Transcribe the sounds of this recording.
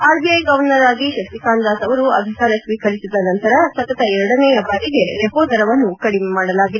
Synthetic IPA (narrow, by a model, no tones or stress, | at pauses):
aːɾbʱijɐjɡɐʋɐnɐɾaːɡiʃɐkt̪ikaːnd̪aːsɐʋɐɾuɐ̰b̪ʱikaːɾɐsʋiːkɐɾisid̪ɐnɐnt̪ɐɾɐsɐt̪ɐt̪ɐɛɾɐɽɐnɛːjɐbaːɽiɡeɾeɦoːd̪ɐɾɐʋɐnːukɐɽimemaːɽɐlaːɡid̪